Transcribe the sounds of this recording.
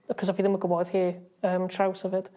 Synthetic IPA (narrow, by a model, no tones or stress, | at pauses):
kʰɔs̬ɔfiðɪməɡʊbɔð̥hiːəːmtʰrawsɛvɪd̥